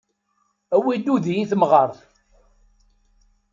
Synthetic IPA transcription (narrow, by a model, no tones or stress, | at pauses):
æwid̪uðjiθmʁəɾˤθ